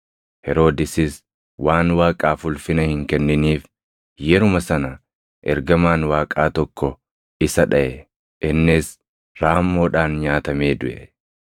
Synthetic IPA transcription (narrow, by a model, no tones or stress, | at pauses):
hɛɾo̞ːd̪ɪsɪs | waːnwaːkʼaːfʊlfɪnɐhɪŋkɛnːɪniːf | jɛɾʊmɐsɐnɐ | ʔɛ̰ɾɡɐmaːnwaːkʼaːt̪ɔkːɔ | ɪsɐᶑɐʔɛ | ʔɪnːɪs | ɾaːmːo̞ːᶑaːnɲaːt̪ɐme̞ːd̪ʊʔɛ